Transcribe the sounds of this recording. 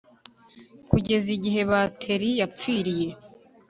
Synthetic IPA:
kuɟe̞ziɟiɦe̞βatʰe̞ɾijap͡fiːɾije̞

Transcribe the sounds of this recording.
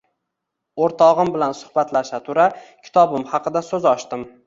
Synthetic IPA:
oɾt̪ʰɒʁɨmbɪlansʊ̥hbat̪laʃat̪ʰʊɾakʲʰɪ̥t̪ʰɒbɪmhɑqɨd̪asɵzɒʃt̪ɪm

